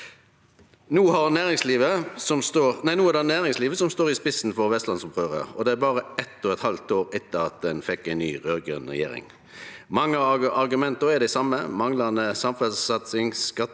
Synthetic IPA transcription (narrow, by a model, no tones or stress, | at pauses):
nuːhɑʁnæːʁɪŋsliːʋəsɔmst̪oːʁnæɪnuːæʁd̪ɛnæːʁɪŋsliːʋəsɔmst̪oːʁɪspɪsn̩fɔʁʋɛst̪lɑnsʊpʁøːʋə̰ʁɔ̰d̪ɛæbɑːʁəɛt̪ːɔːɛt̪hɑlt̪oːɾɛt̪ːəʁɑt̪̚d̪ɛnfɛkːæɪnnyːʁøːɡɛ̰nʁɛ̰jḛːɾɪ̰ŋ | mɑŋːəɑʁɡʉmɛnt̪əɾɛd̪ɛɪsɑmːəmɑŋlɑnəsɑmfəsɑt̪sɪŋskɑt̪ː